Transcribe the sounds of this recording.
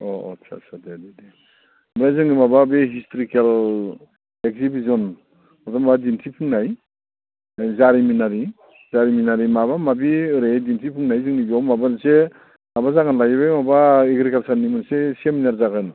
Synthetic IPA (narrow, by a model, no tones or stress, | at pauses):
ɔɔ̰tsʰa̰sʰadedede | mɾajzɯŋnimababeɦistʰɾikel | ekzibizɔn | ɔdɔmabadintʰipʰɯŋnaj | zaɾiminaɾi | zaɾiminaɾimabamabiɾedintʰipʰɯŋnajzɯŋniɡɔmabanse | mabazaɡanlajibajmabaeɡɾikalsaɾnimɯnsesiaminaɾzaɡɯn